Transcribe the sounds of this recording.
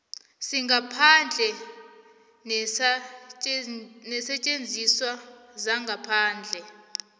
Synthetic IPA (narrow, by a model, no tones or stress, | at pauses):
siŋɡʱapʰand͡ɮʱɛ | nɛsɛt͡ʃʼend͡zʱiswazaŋɡʱapʰaːnd͡ɮʱɛ